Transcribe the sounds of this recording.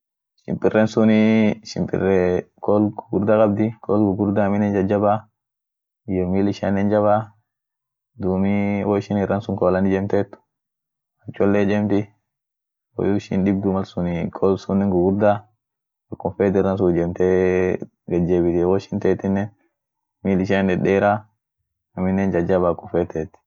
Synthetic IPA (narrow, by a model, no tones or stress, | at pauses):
ʃɪ̰mpʼɪrːɛnsʊnɪʃɪ̰mpʼɪ̰rːɛkɔlɡʊɡʊɾd̪akʼɐbd̪ɪkʰɔlɡʊɡʊɾd̪aːmɪnɛnd͡ʒɐd͡ʒɐbaː | d͡ʒɛmilɪʃanɛnd͡ʒɐba | d̪uːmiwoɪʃɪnɪrːɐnsʊŋkɔlɐnɪd͡ʒɛmt̪eːt̪ːʊ̥ | hɐt͡ʃʼːɔlːeːd͡ʒɛmt̪ɪ | wɔ̰juʃɪ̰nɗɪbd̪ʊmɐlsʊnikʰɔlsʊnːɛŋɡʊɡʊɾd̪aː | ɐkːʊnfɛːt̪ɪɾːɐns̬ʊd͡ʒɛmt̪eː | ɡɐd͡ʒːeːbɪd̪iwɔʃɪnt̪eːt̪ɪnːɛ | miːlɪʃ̬anɛɗɛːɾa | ɐmɪnːɛnd͡ʒɐd͡ʒɐβaːkːʊfɛt̪eːt̪ːɪ̥